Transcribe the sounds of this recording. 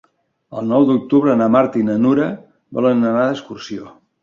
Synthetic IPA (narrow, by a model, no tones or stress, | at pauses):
əlˠnɔwd̪uk̚t̪uβɾənamaɾt̪inənuɾə | bɔ̰lənənaðəskursio